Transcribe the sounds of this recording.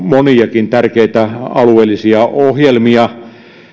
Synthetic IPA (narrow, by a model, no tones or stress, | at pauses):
moniɑkint̪ærkeit̪æɑlueːlːˑisiɑʔohjelmiɑ